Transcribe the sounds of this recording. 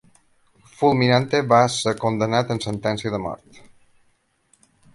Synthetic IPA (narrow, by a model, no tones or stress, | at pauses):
fulˠminant̪eβasəkond̪ənat̪ənsənt̪ɛnsiəðəmɔ̰ɾt̪